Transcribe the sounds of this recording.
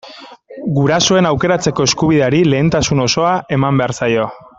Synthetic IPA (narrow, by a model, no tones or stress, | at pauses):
ɡuɾaso̞e̞nawke̞ɾat͡se̞ko̞e̞skuβ̞iðe̞aɾile̞ːnt̪asuno̞so̞aʔe̞mambe̞aɾsajo̞